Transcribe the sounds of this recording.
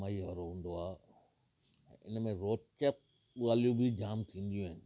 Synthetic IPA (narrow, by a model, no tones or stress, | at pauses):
maiɦɔɾoɦũnd̪oa | ɪ̰nmẽɾoːt͡ʃət̚ | ʋaːljũbʱid͡ʒaːmt̪ʰĩːnd̪ijũɦɛ̃n